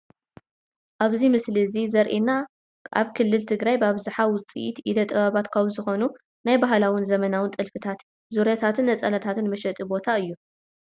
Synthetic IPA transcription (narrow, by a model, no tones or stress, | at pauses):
ʔaβzimɨslizizɐɾʔina | ʔa̰βkʰɨlːɨlt̪ʰɨɡɾajbaβzɨħawʊt͡sʼḭʔit̪id̪ɐt̪ʼɨβaβat̪kʰɐwzɨxo̞nu | najbaɦlawɨnzɐmɐnawɨnt̪ʼɨlfɨt̪ʰat̪ | zuɾjat̪ʰat̪ʰɨnːɐt͡sʼɐlɐt̪ʰat̪ɨnmɐʃɐt̪ʼibo̞t̪ʰaɨjːu